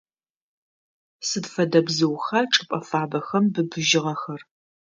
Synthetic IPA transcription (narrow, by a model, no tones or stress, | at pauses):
sɨdfɐdɐbzɨwxɐʈ͡ʂʼɨpʼɐfaːbɐxɐmbɨbɨʒɪʁɐxɐr